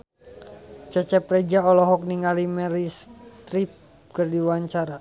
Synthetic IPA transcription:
t͡ʃət͡ʃɛprɛd͡ʒaɔlɔɦɔk̚niŋalimɛɾist̪ɾip̚ | kərdiwaɲt͡ʃaɾa

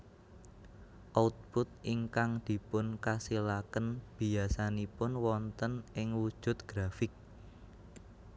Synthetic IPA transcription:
ʔaut̪̚pʊt̪̚iŋkaŋd̪̥i̤pʊnkasilakənb̥i̤asanipʊnwɔnt̪ənʔɪŋwud̥ʒ̥ʊ̤t̪̚ɡ̥ɾafɪk̚

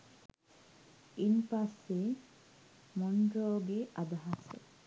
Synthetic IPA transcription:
inpɐsːe | moɳɾoːɡeʔɐd̪ɐɦasḛ

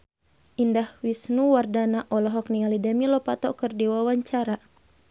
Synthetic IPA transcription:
ʔindahwisnuwardanaʔɔlɔɦɔknialidamilɔpat̪ɔ̰kərdiwawaɲt͡ʃaɾa

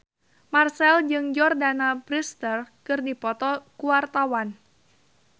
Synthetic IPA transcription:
marsɛld͡ʒɨŋd͡ʒɔrdanabɾist̪ərkɨrdipɔt̪ɔkuwart̪awan

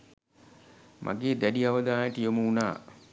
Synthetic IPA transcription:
mʔa̰ɡeːd̪æɖiaʋɐd̪aːjəʈəjoməuna̰ː

